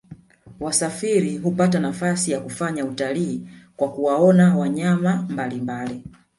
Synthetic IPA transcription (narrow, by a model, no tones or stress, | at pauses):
wasafiɾiɦupatanafasijakufaɲautaliːkwakuwaɔnawaɲamambalimbali